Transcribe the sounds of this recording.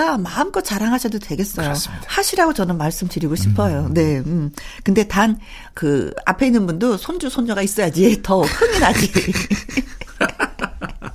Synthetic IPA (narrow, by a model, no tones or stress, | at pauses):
amaɯmk͈ʌt̚t͡ɕaɾaŋɦaɕʰidotwe̞ɡe̞s͈ʌjohaɕʰiɾaɡot͡ɕʌnɯnmaɭs͈ɯmtɯɾiɡoɕʰipʰʌjone̞ɯmkɯnde̞tan | kɯa̰pʰe̞inːɯnbundosʰond͡ʑusʰond͡ʑʌɡais͈ʌjad͡ʑitʌkʰɯŋinad͡ʑi